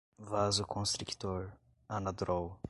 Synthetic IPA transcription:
vazʊkʰõst̪ɾikt̪oɾ | ɐnɐd̪ɾɔw

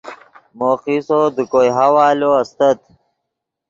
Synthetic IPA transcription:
moːqisod̪əkojɦawaːloɐst̪ət̪

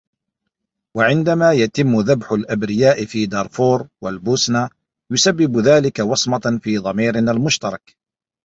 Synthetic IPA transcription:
waʕɪnd̪amaːjat̪ɪmːʊðabħʊlʔabɾɪjaːʔɪfiːd̪ɑːɾˤfoːɾˤwalbuːsnaː | jʊsabːɪbʊðaːlɪkawɑsˤmɑfiːðˤɑmiːɾɪnalmʊʃt̪ɑɾˤɑk

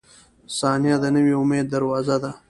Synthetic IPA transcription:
sɑːnijad̪ənəwiʊmeːd̪ːɐɾwaːzad̪a

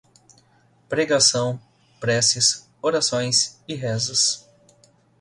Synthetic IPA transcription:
pɾeɡasɐ̃w̃ | pɾɛsis | oɾasõj̃sɪɦɛzɐs

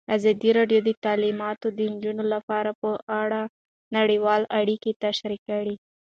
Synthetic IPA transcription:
azɑd̪iɾɑɖjod̪ət̪ɑlimɑt̪od̪ənd͡ʒunolapɑɾapəʔaɽa | naɽəwɑlaɽiket̪aʃɾikːaɽi

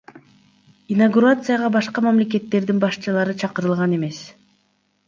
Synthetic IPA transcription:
inaɡuɾat̪sɨjaʁɑbɑʃqɑmamle̞k̬e̞t̪ːe̞ɾd̪inbɑʃt͡ʃɯlˠɑɾɯt͡ʃʰɑqɯɾɯlˠʁɑne̞me̞s

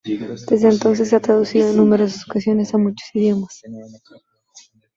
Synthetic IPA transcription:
d̪̥e̞zd̪ent̪o̞ns̬e̞sːeat̪ɾaðusiðoenːume̞ɾo̞ssasokasjo̞ne̞samut͡ʃosiðjo̞mas

